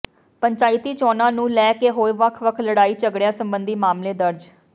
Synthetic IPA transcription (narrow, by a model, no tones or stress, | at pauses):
pəɲt͡ʃaːɪt̪iːt͡ʃɔːnãːnũːlɛːkeːɦoːʋəkʰʋəkʰləɽaːiːt͡ʃəɡɽjãːsəmbənd̪iːmaːmleːd̪əɾd͡ʒ